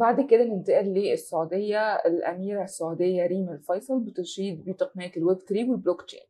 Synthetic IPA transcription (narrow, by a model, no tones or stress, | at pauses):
baʕd̪ked̪ælɪnt̪æʔæʔlːiːʔesːaʕud̪ejːæelʔæ̰miːɾæsːaʕud̪ejːæɾiːmælfɑjsˤɑlbɪt̪eʃiːd̪̚biːt̪ˤɑqnæːkelwæt̪kɾiːwelbloːkt͡ʃḛːn